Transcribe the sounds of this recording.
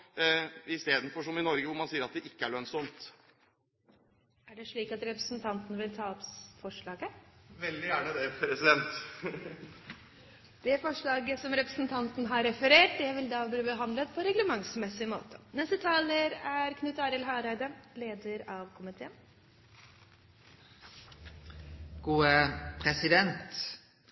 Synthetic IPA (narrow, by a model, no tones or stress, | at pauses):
ɪst̪eːd̪n̩fɔʂɔmɪnɔɾɡəʋʊɾmɑnsiːəɾɑt̪̚d̪ɛʔɪkːəæɭœnsɔmt̪ | æɖɛʂɭiːkɑt̪ɾɛpɾəsnt̪ʰɑnt̪ənəʋɪlt̪ʰɑːɔpfɔʂɭɑːɡəʋɛld̪ɪjæːɳəd̪ɛpʰɾɛsɪd̪ɛnt̪ | d̪̥ɛfɔʂɭɑːɡəsɔmɾɛpɾəsnt̪ʰɑnt̪nəɦɑɾɛfəɾeːʈ̚d̪ɛʋɪld̪ɑːb̪iːbəɦɑnd̪lət̪pʰɔɾɛɡləmɑŋsmɛsːɪmoːt̪ʰə̥nɛst̪ət̪ʰɑːləɾæɾkʰnʉt̪ɑːɾəlɦɑːɾæɪd̪əleːd̪əɾɑʋkʰʊmɪt̪ʰeːən | ɡ̥uːəpʰɾɛsɪd̪ɛnt̪